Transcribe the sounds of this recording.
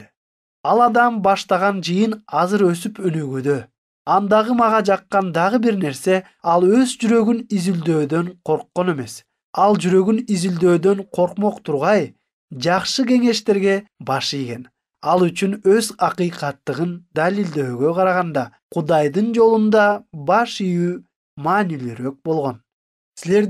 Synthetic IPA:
ɑlˠɑd̪ɑmbɑʃt̪ɑʁɑnd͡ʒɯjɯnɑzɯɾø̞sypønyɡyd̪ø̞ | ɑnd̪ɑʁɯmɑʁɑd͡ʒɑqːɑnd̪ɑʁɯbiɾne̞ɾse̞ | ɑlˠø̞zd͡ʒyɾø̞ɡynizyld̪ø̞ːd̪ø̞ɴqʰo̞ɾqːo̞ne̞me̞s | ɑlˠd͡ʒyɾø̞ɡynizild̪ø̞ːd̪ø̞ɴqʰo̞ɾqmo̞qt̪ʰuɾʁɑj | d͡ʒɑqʃɯɡe̞ŋe̞ʃt̪e̞ɾɡe̞bɑʃijɡʲe̞n | ɑlˠyt͡ʃynøzɑqɯjqɑt̪ːɯʁɯnd̪alild̪ø̞ːɡø̞qʰɑɾɑʁɑnd̪ɑqʰud̪ɑjd̪ɯnd͡ʒo̞lˠund̪ɑbɑʃijyː | mɑːnilyɾø̞k̚bo̞lˠʁo̞n | sile̞ɾ

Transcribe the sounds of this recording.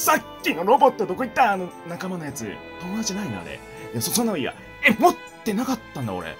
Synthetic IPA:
sakʲːino̞ɾo̞bo̞t̪ːo̞d̪o̞ko̞it̪ːaːno̞nakamano̞jat͡sɨ̰ | t̪o̞mod̪at͡ɕinainḛa̰ɾḛ | j̪asosonːaiβa̰ | emot̪ːe̞nakat̪ːãnd̪a̰o̰ɾḛ

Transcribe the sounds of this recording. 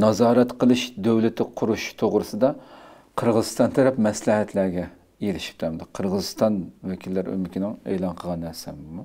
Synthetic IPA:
nɑzɑːɾɛt̪qəlˠɨʃd̪øwlɪt̪ʰɪqʰʊɾuʃt̪ʰoʁɾɨsɨd̪ɑ | qʰəɾʁəzɨst̪ɑnt̪ʰɛɾɛpmɛslɪɦɛt̪ʰlæɾɡʲɛ | jeɾɪʃi̥p̚d̪ʰæmd̪ɨqʰəɾʁəzɨst̪ɑnvɛkʲʰilːæɾy̰mɪkʲinɪŋḛlˠɑnqʰəʁɑnːæɾsɛmmu

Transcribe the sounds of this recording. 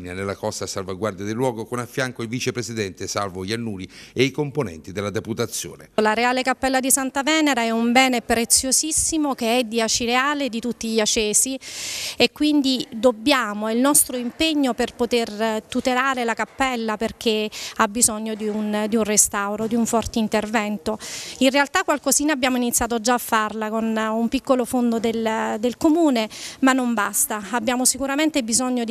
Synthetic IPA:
nanelːakɔst̪asalvaɡwaɾrd̪jad̪elːwɔːɡokonafːjaŋkoilvit͡ʃepɾesid̪ɛnt̪esa̰lvoʎanːuːɾieikomponɛ̰nt̪id̪elad̪eput̪at̪sːjo̰ːnelaɾeaːlekapːɛlːad̪isant̪avɛːneɾaɛumbɛːnepɾet̪sːjosisːimokeɛd̪ːiat͡ʃiɾeaːled̪it̪ut̪ːiʎːat͡ʃːeːsiekːwind̪id̪obːjaːmoilnɔst̪ɾoimpeɲːoperpot̪ert̪ut̪elaːɾelakapːɛlːaperk̟ʰeabːizɔɲːod̪iund̪iunrest̪awɾod̪iuɱfɔrt̪eint̪ervɛnt̪oinrealt̪akːwalkoziːnabːjaːmoinit̪sːjaːt̪od͡ʒaːfːarlakonumpikːolofond̪od̪eld̪elkomuːnemanːombast̪aabːjaːmosikuɾament̪ebizɔɲːod̪

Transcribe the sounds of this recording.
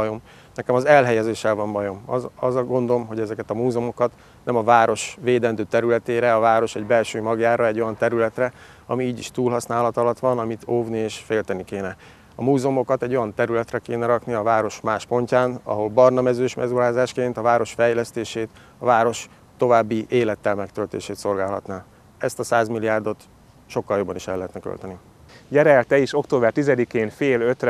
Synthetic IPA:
jom | nɛkɛmɒzɛlɦɛjɛzeːʃɛlvɒmbɒjo̞mɒzɒɡo̞nd̪o̞lo̞mɦo̞ɟɛzɛkɛt̪ɒmuːzomo̞kɒt̪ | nɛmɒvaːɾo̞ʃʋeːd̪ɛnd̪øːt̪ɛɾylɛt̪eːɾɛɒvaːɾo̞ʃɛɟbɛlʃøːmɒɡjaːɾɒɛɟːo̞jɒnt̪ɛɾylɛt̪rɛ | ɒmiiːɟiʃt̪uːlɦɒsnaːlɒt̪ɒlɒt̪ʋɒnɒmit̪oːvnieːʃfeːlt̪ɛnikeːnɛ | ɒmuːzomo̞kɒt̪ɛɟːo̞jɒnt̪ɛɾylɛt̪rɛkeːnɛɾɒkniɒvaːɾo̞ʃmaːʃpo̞ɲcaːnɒ̰ɦo̞lbɒrnɒmɛzøːʃmɛ̰zuɾaːzaːʃkeːnt̪ɒvaːɾo̞ʃfɛjlɛst̪eːʃeːt̪ | ɒvaːɾo̞ʃ | t̪o̞vaːbːiʔeːlɛt̪ːɛlmɛkt̪ølt̪ḛːʃeːt̪so̞lɡaːlɦɒ̰t̪naː | ɛst̪ɒsaːzmilijaːrd̪o̞t̪ | ʃo̞kːɒljo̞bːɒniʃɛlːɛɦɛt̪nɛkø̰lt̪ɛni | jɛɾɛlt̪ɛiʃo̞kt̪oːbɛrt̪izɛd̪ikeːnfeːløt̪r

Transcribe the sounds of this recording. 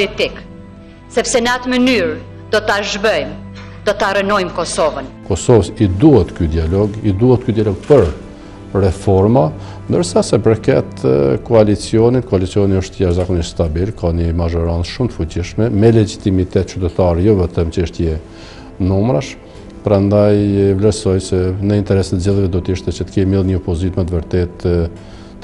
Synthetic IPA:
ɔlit̪ik | sɛpsɛnat̪mənyɾ | d̪̥ɔt̪aʒbœjm | d̪ɔt̪aɾənɔjmkɔsɔvənkɔsɔvəsid̪uhɛt̪kyd̪ialɔɡid̪uɦɛt̪̚kyd̪ialɔɡ̚pəɾ | rɛfɔɾma | nd̪əɾsasɛpəɾkɛt̪kɔalit͡siɔnit̪kɔalit͡siɔniəʃt̪əjaʃzakɔniʃt̪st̪abilkaɲəmaʒɔɾant͡sʃumt̪əfut͡ɕiʃmɛmɛlɛd͡ʒit̪imit̪ɛt̪̚t͡ʃyt̪ɛt̪aɾɛjɔvɛt̪əmt͡ʃɛʃt̪jɛ | numɾaʃ | pɾand̪ajvlɛɾsɔjsɛnəint̪ɛɾɛst̪zɛðvɛd̪ɔt̪iʃt̪ɛt͡ʃət̪ə̥kɛmilˠɲəɔpɔzit̪mɛt̪vəɾt̪ɛt̪

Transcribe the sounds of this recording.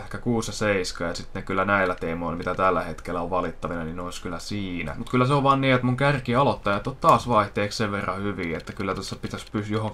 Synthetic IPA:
hkækuːsjɑseiskɑːjɑsit̪nekylːænæilːæt̪eːmoilmit̪æt̪ælːæhet̪kelːæoʋʋɑlit̪ːɑʋinɑninoiskylːæsiːnæ̰mut̪kylːæseoʋʋɑːnniːet̪muŋkærkiɑlot̪ːɑjɑt̪ott̪t̪ɑːsʋɑiht̪eːksseʋʋerːɑhyʋiːet̪ːækylːæt̪osːɑpit̪æspysjohoŋk

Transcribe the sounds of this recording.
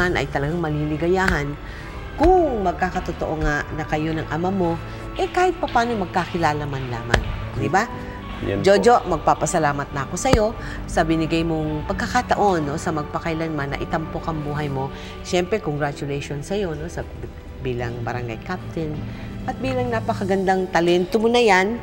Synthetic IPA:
anʔɐ̰jt̪ɐlɐɡaŋmɐlilɪɡɐjaːɦɐn | kʊŋmɐɡ̚kakɐt̪ot̪oʔoŋaʔnɐkɐjo̞nɐŋʔɐmamo̞ | ʔɛkaːhɪt̪̚pɐpaːno̞mɐɡ̚kakɪlaːlɐmanla̰ːma̰ŋd̪ɪba | d͡ʒod͡ʒo̞ʔmɐɡ̚papɐsɐlaːmɐt̪̚nɐɐko̞sɐjo̞ | sɐbɪnɪɡajmoŋpɐɡ̚kːɐkat̪ɐʔo̞nːo̞sɐmɐɡ̚pɐkɐjlanmanɐ̰ʔɪt̪ɐmpokɐŋbuːɦɐjmo̞ | ʃɛmpɾɛkoŋɡɾat͡ʃʊlɛjʃo̞nsɐjo̞no̞sɐ | biːlɐŋbɐɾɐŋɡa̰jkap̚t̪ɛn | ʔɐt̪̚biːlɐŋnapɐkɐɡɐnd̪aŋt̪ɐlɛnt̪omonɐjan

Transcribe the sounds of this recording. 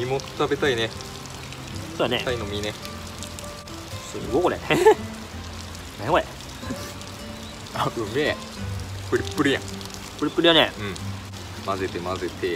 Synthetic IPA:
imotɨ̥t̪abe̞t̪aine̞ | soːjanet̪ainomʲine | sɨɡokoɾḛne | meoe | aɯ̟me | pɯ̟ɾʲipːɯɾʲijã̰ | pːɯɾʲipːɯɾijaneɯ̟̃ɴ | maze̞t̪e̞maze̞t̪e̞

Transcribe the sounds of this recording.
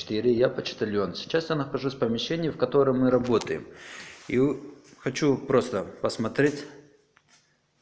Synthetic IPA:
ɪ̥t̪iɾʲɪjapət͡ɕɪ̥t̪ɪlʲonsʲɪ̥t͡ɕasjanəxɐʐusʲpəmʲɪɕːenʲɪjəfkɐt̪o̞ɾəmːɨɾɐbo̞t̪əjɪ̰mixɐt͡ɕupɾo̞st̪əpəsmɐt̪ɾʲetʲ

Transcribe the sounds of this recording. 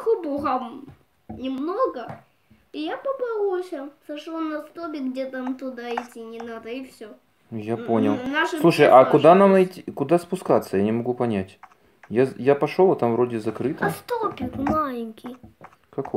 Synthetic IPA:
xubuɣɐm | nʲɪmnoɡɐ | ɪjapɐbɨlˠusʲɐsɐʂˠonɐst̪opʲɪɡɡdʲet̪amt̪ʊd̪aɪtʲːinʲɪnad̪ɐifsʲo | japonʲɪlˠnaʂɨlˠuʂəjʔakʊd̪anamnɐjtʲikʊd̪aspʊskat̪sːəjanʲɪmɐɡupɐnʲætʲ | jajapɐʂolˠɐt̪amvɾodʲɪzɐkɾɨt̪ɐst̪opʲɪkmalʲɪnʲkʲij | kɐk

